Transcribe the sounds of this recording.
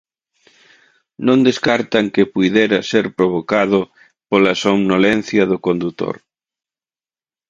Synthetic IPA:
nõnd̪eskaɾt̪ɐŋkɪpujðɛɾɐseɾpɾoβ̞okaðʊ | polɐsomnolɛn̟θjɐðʊkond̪ut̪o̰ɾ

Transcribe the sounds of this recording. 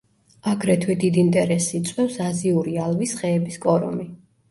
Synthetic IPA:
aɡɾɛt̪ʰwɛd̪id̪int̪ʼɛɾɛsit̪sʼwɛfsaziuɾialˠvisχɛːbiskʼɔɾɔ̰mi

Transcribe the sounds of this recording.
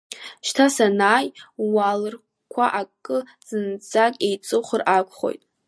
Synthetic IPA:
ʃtʰasanaːjwalɨr | kʷʰa̰ʔakʼːɨ | z̥ɨnt͡sʼakʲʼejt͡sʼɨχʷərʔakʷʰʼχo̞̰jtʼ

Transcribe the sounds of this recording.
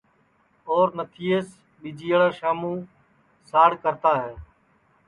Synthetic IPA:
oːɾnət̪ʰiːeːs | ɓid͡ʒiːɭaːʃaːmũː | saːɽkəɾt̪aːɦɛː

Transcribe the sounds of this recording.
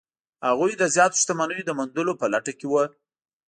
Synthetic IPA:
haɣujd̪əzjɑt̪o̥ʃt̪amanəjod̪əmand̪əlopəlaʈakewə

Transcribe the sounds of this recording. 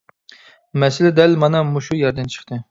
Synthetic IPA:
mɛsɪlɪd̪ɛlmɑnɑmuʃujɑɾd̪ɛnt͡ʃʰə̥χt̪ɨ

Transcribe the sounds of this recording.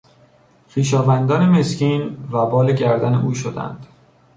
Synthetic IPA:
xiːʃɒːvænd̪ɒːneme̞scʰiːnvæbɒːleɟæɾd̪æne̞ʔuːʃod̪æ̰nd̪̥

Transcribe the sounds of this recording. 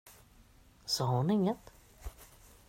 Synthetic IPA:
sɔɦʊnɪŋːət̪

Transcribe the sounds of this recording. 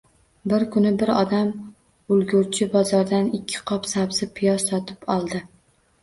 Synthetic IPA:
bɪɾkʰʊnɪbɪɾɒd̪am | ʊlˠɡʊɾt͡ʃʰɪbɒzɒɾd̪anɪkʲʰːɪ̥qʰɒpsabsɪpʰɪjɒzsɒt̪ʰɪpɒlˠd̪ɪ

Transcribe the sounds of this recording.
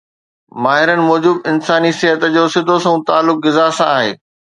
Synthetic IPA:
maːɦɪɾənɪ̆mɔːd͡ʑubɪnsaːnisɪɦət̪d͡ʑoːsɪd̪ʱosɐ̃ũt̪aːlːʊk̚ɡɪzaːsãaːɦḛː

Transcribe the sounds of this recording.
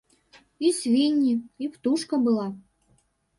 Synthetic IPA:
isvʲinʲːiipt̪uʃkɐbɨlˠɑ

